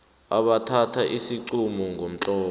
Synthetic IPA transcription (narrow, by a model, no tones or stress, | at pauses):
aɓatʰatʰaʔisiǀumɔŋʱom̩t͡ɬʼɔː